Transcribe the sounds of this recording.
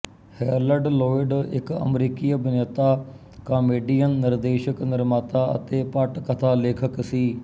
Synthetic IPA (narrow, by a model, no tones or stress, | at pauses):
hɛːɾləɖloːɪɖɪ̰kə̰mɾiːkiːəbɪnət̪aː | kaːmeːɖiːjənːɪɾd̪eːʃəknɪɾmaːt̪aːə̰t̪eːpəʈkət̪ʰaːleːkʰəksiː